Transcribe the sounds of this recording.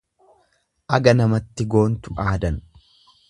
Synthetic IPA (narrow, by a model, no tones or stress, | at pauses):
ʔɐɡɐnɐmɐt̪ːɪɡo̞ːnt̪ʊʔaːd̪ɐn